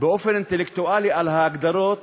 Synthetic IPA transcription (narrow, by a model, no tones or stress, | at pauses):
bɪʔʊfɪɾɪnt̪ɪlɪkt̪ʊʔaːliʔalhaɡd̪ɑɾˤoːt̪̚